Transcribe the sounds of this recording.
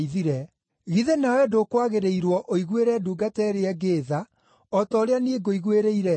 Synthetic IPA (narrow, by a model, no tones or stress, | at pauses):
iðiɾɛ | ɣiðenawɛdokwaɣeɾeiɾwɔʔoiɣweɾɛduːɡatɛɾeɛɡeːða | ɔtɔːɾeanieɡoiɣweɾeiɾɛ